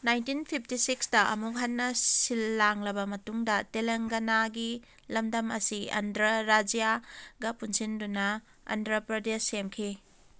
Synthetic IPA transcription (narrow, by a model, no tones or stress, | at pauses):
najntinpʰip̚ʰtisikstɐʔɐ̰mukɦanːɐsilːaŋlɐbɐmɐtuŋdɐteleŋɡɐnaɡi | lɐmdɐmɐsiɐ̰ndɾɐɾad͡ʒijaɡɐpunsindunɐ | ɐ̰ndɾɐpɾɐdesːemkʰi